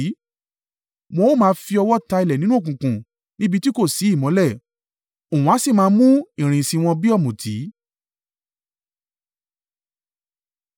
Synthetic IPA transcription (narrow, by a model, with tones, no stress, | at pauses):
mo˧o˦˨mãː˧fi˧ɔ˧wɔ˦ta˧i˨lɛ˨nĩ˨˦nũ˦o˦˨kũ˨kũ˨ | nĩ˦bi˧ti˦ko˦˨si˨˦i˦˨mɔ̃˨˦lɛ˦˨ | o˨ũ˨˦a˨˦si˦˨mãː˧˦mũ˦ĩ˦˨ɾ̃ĩ˨sĩ˧w̃ɔ̃˧bi˦ɔ˦˨mũ˨tʰi˨˦